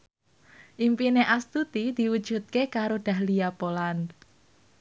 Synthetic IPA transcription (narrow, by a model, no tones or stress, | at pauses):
ʔimpineʔast̪ut̪id̪̥i̤wud̥ʒ̥ṳt̪̚kekaɾoɖ̪̥ä̤hlijapolan